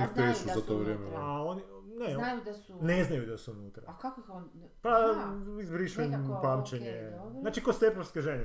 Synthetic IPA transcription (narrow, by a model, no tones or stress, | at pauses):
ifpeʃuzat̪oːʋɾjeːmeaoninejud̪neznajud̪asuunuːt̪ɾa̰ak | paizbɾiʃumpaːmt͡ʃeɲezaːt͡ʃikost̪epoʋskeʒeɲe